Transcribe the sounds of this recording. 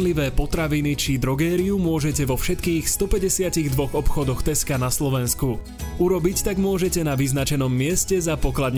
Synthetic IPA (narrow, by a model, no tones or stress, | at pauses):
liʋɛːpɔt̪ɾaʋinit͡ʃid̪ɾɔɡɛːɾiumʊɔʒɛcɛʋɔfʃɛt̪kiːxst̪ɔpɛɟɛsɪaciɣd̪ʋɔɣɔpxɔd̪ɔxt̪ɛskanaslɔʋɛnsku | uɾɔbict̪aɡmʊɔʒɛcɛnaʋiznat͡ʃɛnɔmːɪɛscɛzapɔklad̪ɲ